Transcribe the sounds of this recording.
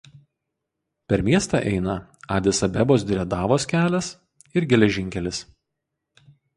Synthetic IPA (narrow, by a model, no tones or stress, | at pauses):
pʲɛɾmʲiɛst̪ɑˑʔɛɪnɐɑːd̪ʲɪsɐbʲɛboːs̬d̪ʲɪɾʲɛd̪ɑːʋoːskʲæːlʲɛs | ɪɾɡʲɛlʲɛʒʲɪŋʲkʲɛlʲɪs